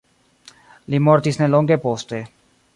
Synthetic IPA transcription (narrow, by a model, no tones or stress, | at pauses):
limoɾt̪isneloŋɡepost̪e